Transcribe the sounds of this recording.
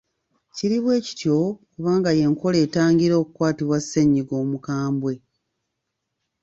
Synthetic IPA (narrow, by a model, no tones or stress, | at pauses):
ciɾiβwe̞ːci̥tjo̞kuβaːŋɡaje̞ŋko̞leːtaːŋɡiɾo̞ːkukwaːtiβwasːeɲːiɡo̞ːmukaːmbwe̞